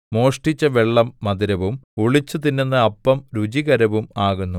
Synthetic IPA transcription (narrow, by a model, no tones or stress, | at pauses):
mo̞ːʂʈit͡ɕːɐʋeɭːɐmːɐd̪iɾɐʋumuɭit͡ɕːut̪inːenːɨɐpːɐmɾud͡ʑiɣɐɾɐʋumaːɣunːu